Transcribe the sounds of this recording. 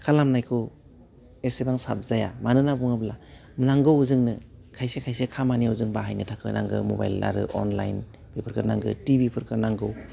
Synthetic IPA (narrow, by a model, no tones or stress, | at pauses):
kʰalamnajkʰɔ | esebaŋsa̰p̚zaja̰manɯnabuŋabla | mnaŋɡɯwuzɯŋnɯkʰajsekʰajsekʰamaniauzɯŋbaɦajnɯtʰakʰɯna̰ŋɡɯ̰moba̰jlːa̰ɾɯ̰ʔɔ̰nla̰jn | bipʰɯɾkʰɯɾnaŋɡɯ̰tibipʰɯɾkʰɯnaŋɡɯw